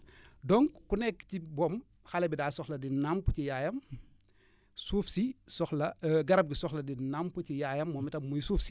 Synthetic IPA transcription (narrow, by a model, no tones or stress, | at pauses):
dɔŋkkunɛkːcibɔm | xɐlɛbidaːsɔxlɐdinampucijaːjɐm | suːfsisɔxlɐɡɐɾɐb̚ɡisɔxlɐdinampucijaːjɐmːɔːmitɐmujsuːfsi̥